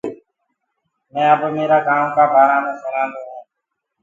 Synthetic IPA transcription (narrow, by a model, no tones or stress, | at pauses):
mɛ̃ːəbmeːɾaːkaːmkaːbʱaːɾaːmẽːsənãːd̪ũːɦũː